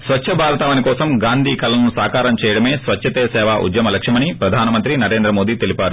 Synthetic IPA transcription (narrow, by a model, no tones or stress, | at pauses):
sʋɐtːʃʰɐbʱaːɾɐt̪aːʋɐnikɔːsɐmɡaːnd̪ʱiːkɐlɐlɐnusaːkaːɾɐmt͡ʃɛːjɐɽɐme̞ːsʋɐt͡ʃːʃʰɐt̪eːsɛːʋaːʔṵd̪jɐmɐlɐkʂɐmɐnipɾɐd̪ʱaːnɐmɐnt̪ɾinɐɾe̞ːnd̪ɾɐmo̞ːd̪iːt̪elipaːɾu